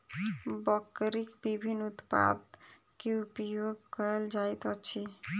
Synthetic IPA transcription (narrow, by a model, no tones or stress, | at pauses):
bɔkːɾikbibʱinːut̪pa̰d̪ | keupijoɡkɔld͡ʒajt̪ɔt͡ɕʰi